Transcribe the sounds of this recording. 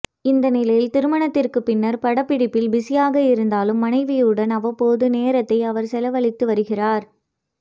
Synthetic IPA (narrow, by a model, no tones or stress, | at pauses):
ɪnd̪ɐnɪlɐjɪlt̪ɪɾɯmɐɳɐt̪ːɪrkɯpːɪnːɐɾpɐɽɐpːɪɽɪpːɪlbɪsɪjaːɣɐɪɾɯnd̪aːlɯmːɐnɐɪʋɪjɯɽɐnɐʋɐpːoːðɯneːɾɐt̪ːɐɪɐʋɐɾsɛlɐʋɐɭɪt̪ːɯʋɐɾɯɣɪraːɾ